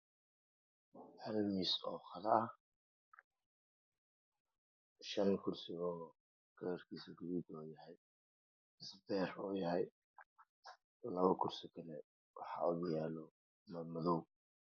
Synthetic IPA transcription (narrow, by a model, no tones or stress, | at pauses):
hɐlmisɔːχɐðɐʔɐ | ʃɐnkʰʊrsɪɔː | kʰɐjɐrkʰiːsiɡʊβiːd̪ɔːjɐhɛj | ɪsbɛːrɔːjɐɦɛj | lɐβɐkʰʊrsɪkʰɐlɛ | wɑħɑ̰ʊɣjaːlɔ | mmɐðɔw